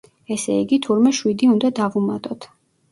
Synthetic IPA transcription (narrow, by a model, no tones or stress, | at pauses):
ɛsɛiɡit̪ʰuɾmɛʃwid̪iund̪ad̪avumat̪ʼɔt̪ʰ